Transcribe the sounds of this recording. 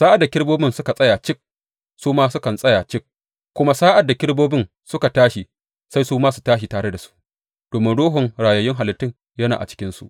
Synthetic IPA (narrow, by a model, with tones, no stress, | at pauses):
saː˦ʔa˨dːa˨kʲɪ˦ɽboː˦bɪ˦nsʊ˦ka˨sʼɐ˦jaː˨t͡ʃɪ˦k̚ | suː˦maː˦sʊ˦kɐ˨nsʼɐ˦ja˨t͡ʃɪ˦k̚ | kːʷʊ˦ma˦saː˦ʔa˨dːa˨kʲɪ˦ɽboː˦bɪ˦n | sʊ˦ka˨taː˦ʃi˨ | sa˦jsuː˦maː˦su̥˨taː˦ʃ̬i˨taː˨ɽe˦da˨su̥˦ʔ | d̥oː˨mɪ˦nɽoː˦ɦʊ˨ŋɽaː˨jɐ˦jɪ˦ŋɦa˨lɪ˦tːɪ˦˨ŋ | jɐ˦na̰˨ʔt͡ʃɪ̥˦kʲɪ˦nsṵ˨ʔ